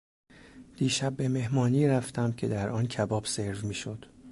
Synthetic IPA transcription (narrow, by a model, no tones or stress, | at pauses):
d̪̥iːʃæb̚ːe̞me̞hmɒːniːɾæft̪ʰæmcʰe̞d̪æɾʔɒːncʰæbɒːbse̞ɾvmiːʃod̪̥